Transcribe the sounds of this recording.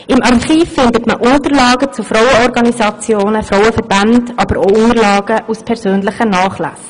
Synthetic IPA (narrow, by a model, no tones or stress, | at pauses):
ɪmʔɑrχiːfːɪndətməʔʊntəɾlɑːɡət͡sufrɔwəɔɾɡɑnisɑt͡sjoːnəfɾɔʊəfɛɾb̥antɑbəɾoʊnəɾlɑːɡ̥əʔuspʰɛɾsøːnlɪχənɑːχlæ̰s